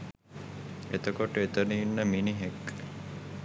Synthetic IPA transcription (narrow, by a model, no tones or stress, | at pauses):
et̪əkoʈəet̪əniːnːəminiɦekː